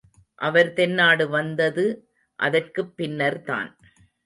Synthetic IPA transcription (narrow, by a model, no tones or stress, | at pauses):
ʔɐʋɐɾt̪ɛnːaːɽɯʋɐnd̪ɐðɯ | ʔɐ̰ðɐrkɯpːɪnːɐɾt̪a̰ːn